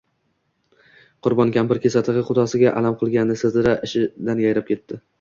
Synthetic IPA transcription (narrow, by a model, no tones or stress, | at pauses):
qʰʊɾbɒnkʲampɪɾkʲe̞sat̪ʰɨʁɨqʊd̪ɒsɪɡʲaʔalamqʰɨlˠɡʲanːɪsɪzɪɾaʔɪʃɪd̪anjajɾap̚kʲʰe̞t̪ːɪ